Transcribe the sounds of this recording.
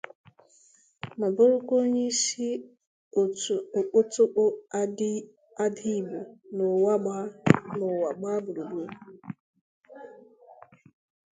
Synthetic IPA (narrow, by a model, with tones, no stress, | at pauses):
ma˨bʊ˦ɾʊ˦kʷo˦ɲe˦ʃi˦ | o˨o˨k͡pʊ˦tʊ˦k͡pʊ˦a˦dɪ˦ | a˦di˦˨bu˨nʊ˨wa˦ɡ͡ba˦nʊ˨wa˨ɡ͡ba˦bʊ˨ɾu˨ɡ͡bu˦